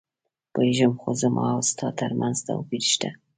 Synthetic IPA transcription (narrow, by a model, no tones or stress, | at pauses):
pəjʒəmxozəmʔɑ̰awst̪ʰɑt̪əɾmʔanzt̪a̰wpiɾʃt̪a